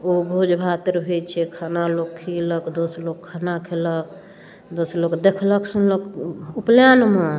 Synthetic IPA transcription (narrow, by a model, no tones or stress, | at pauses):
obʱud͡ʒbʱat̪əɾbʱet͡ʃʰɛkʰanalokʰiləkd̪oslokʰːanakʰelək | d̪osɾlokd̪ekʰləksunləkupljanma